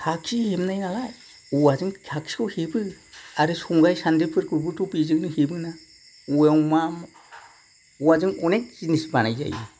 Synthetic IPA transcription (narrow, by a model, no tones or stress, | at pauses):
kʰaksihemnajnalaj | uwazɯŋkʰaksi̥kʰɔhibɯaɾɯsuŋɡajsandepʰɯɾkuɾbutʰupizɯŋnɯhibɯna | uewmam | uwazɯŋunek̚zinisbanajza̰j̰